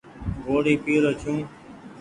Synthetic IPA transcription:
ɡoːɽiːpiːɾot͡ʃʰũː

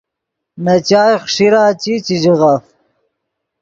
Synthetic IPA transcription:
nɐt͡ɕaːjχʂiɾaːt͡ɕit͡ɕiʑiɣɐf

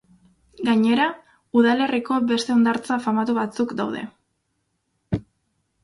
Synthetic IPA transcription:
ɡaɲe̞ɾa | uðale̞riko̞βe̞st̪e̞o̞nd̪aɾt͡safamat̪uβat͡sukd̪awð̞e̞̰

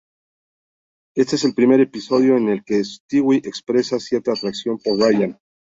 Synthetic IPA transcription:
e̞st̪ee̞s̬e̞lpɾime̞ɾe̞piso̞ðjo̞ene̞lke̞st̪iwiʔe̞kspɾe̞sasje̞ɾt̪aːt̪ɾaksjo̞mpo̞ɾraʝan

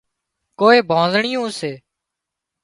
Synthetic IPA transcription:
koːeːbʱãːzɳɪjũːseː

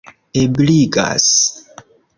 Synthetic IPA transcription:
ebliɡa̰s

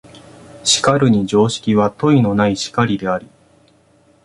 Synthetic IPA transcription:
ɕi̥kaɾɯ̟ɲ̟id͡ʑo̞ːɕi̥kʲiβat̪o̞ino̞naiɕi̥kaɾʲid̪e̞aɾʲi

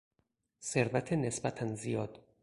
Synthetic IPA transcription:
se̞ɾvæt̪ʰenesbæt̪ʰænzijɒːd̪̥

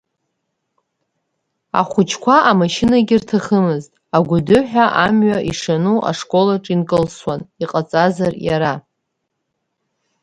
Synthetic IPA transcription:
a̰χʷʊt͡ʃʰkʷʰaʔamaʃinaɡʲirtʰaχəmɨztʼaɡʷʊdʊħᶣaʔamɥaʔiʂanuʔa̰ʂkʼo̞laʈ͡ʂʼinkʼɨlswaniqʼat͡sʼazarja̰ɾa

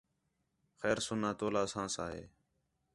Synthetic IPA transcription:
xɛːɾsʊnãːt̪oːlaːsãːsaːɦḛː

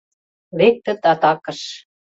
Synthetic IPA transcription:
βek̚t̪ə̆t̪ɑt̪ɑkɤ̆ʃ

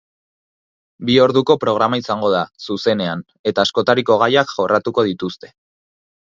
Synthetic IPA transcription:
bio̞ɾðuko̞pɾo̞ɣ̞ɾamaisaŋɡo̞ð̞asuse̞ne̞an | e̞t̪aːsko̞t̪aɾiko̞ɣ̞ajakʝo̞rat̪uko̞ð̞it̪ust̪e̞

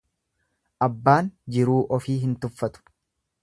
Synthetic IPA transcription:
ʔɐbːaːnd͡ʒɪɾuːʔɔfiːɦɪnt̪ʊfːɐt̪ʊ̥

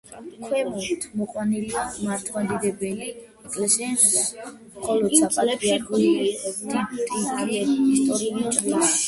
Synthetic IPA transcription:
kʰwɛmɔit̪ʰmɔqʼwaniliamaɾt̪ʰwad̪id̪ɛbɛli | ɛkʼlɛsɛɛnis | mχɔlɔd̪ssapʼalɛdiaɾkuid̪it̪ʼikʼiɛist̪ʼɔɾiut͡ʃʼvila

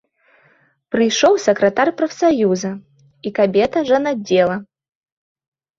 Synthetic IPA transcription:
pɾɨjʂɔwsɐkɾɐt̪arpɾɐfsajuzɐ | ikabʲɛt̪ɐʐɐnadʲːɛlˠɐ

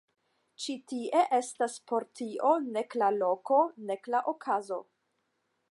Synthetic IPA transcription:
t͡ʃitiʔe̞ʔe̞staspo̞ɾtiʔo̞ne̞klalo̞ko̞ne̞klaʔokʰazo̞̰

